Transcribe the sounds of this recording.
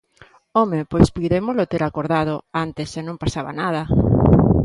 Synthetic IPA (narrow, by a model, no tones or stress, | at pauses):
omepojspujðemolot̪eɾakoɾðað̞oant̪esenõmpasaβa̰naðɐ